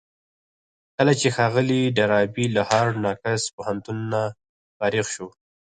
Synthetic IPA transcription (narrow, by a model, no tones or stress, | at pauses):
kəlat͡ʃexɑɣəliɖaɾɑbilahɑɾnɑkaspʊhant̪unːa | fɑɾixʃo